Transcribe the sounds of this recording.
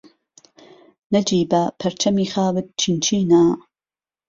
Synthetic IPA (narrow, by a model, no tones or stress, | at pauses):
nɐd͡ʒiːbɐpʰɐɾt͡ʃʰɐmiːxaːwɨt̪̚t͡ʃʰint͡ʃʰiːna